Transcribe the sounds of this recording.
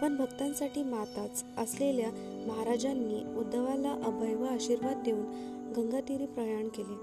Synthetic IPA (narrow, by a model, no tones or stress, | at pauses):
pəɳbʱəɡt̪ãnsaʈiːmat̪at͡səslelja | məɦaɾad͡ʑanːiːud̪ːəʋalaʔəbʱəjʋaːɕiɾʋad̪̚ːjeuːn | ɡəŋɡat̪iɾiːpɾəjaɳkele